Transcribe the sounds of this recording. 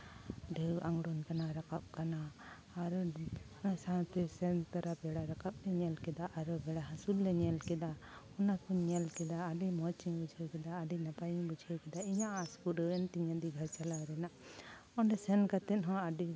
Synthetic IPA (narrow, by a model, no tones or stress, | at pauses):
ɖewaŋɡɽunkanaɾakap̚kanaː | ɾɔ | sãt̪ɛsɛnt̪aɾabɛɽaɾakap̚lɛɲɛlkɛd̪aʔaɾɔbɛɽaɦãsulːɛɲɛlkɛd̪aɔnakuɲɛlkɛd̪aːɖimɔt͡ʃiŋbud͡ʒʱɛwkɛd̪aːɖinapajiŋbud͡ʒʱɛwkɛd̪aiɲãʔaskuɖəɛnt̪iɲad̪iɡʱaɾt͡ʃalaɾɛna | ɔɳɖɛsɛnkat̪ɛnɦɔ̃aɖi